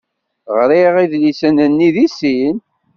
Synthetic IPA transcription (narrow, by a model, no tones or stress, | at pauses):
ʁɾiʁiðlisənənːiðisin